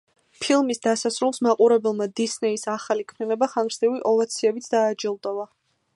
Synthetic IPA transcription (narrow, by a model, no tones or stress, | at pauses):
pʰilˠmisd̪asasɾulˠsmaqʼuɾɛbɛlˠmad̪isnɛisaχalikʰmninɛbaχaŋɡɾsd̪iviʔɔlˠat̪sʰiɛbit̪sʰd̪aːd͡ʒilˠd̪ɔva